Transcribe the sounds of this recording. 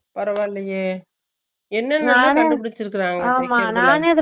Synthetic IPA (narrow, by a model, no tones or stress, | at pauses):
pɐɾɐʋaːɪlːɐjeː | ɛnːɐnɐaːnɐdɯpʊɽɪt͡ʃːɪɾɯk̬ːɯɾãːŋɡɐaːmanaːneːɐðɯ